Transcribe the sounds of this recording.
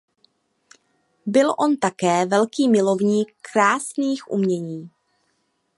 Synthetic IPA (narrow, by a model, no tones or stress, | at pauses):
bɪlʔo̞nt̪akɛːvɛlkiːmɪlo̞vɲiːkːɾaːsniːxʔṵmɲɛɲiː